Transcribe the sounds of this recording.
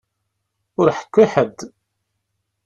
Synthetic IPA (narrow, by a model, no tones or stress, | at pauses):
ʊɾħə̥kʷːiħəd̪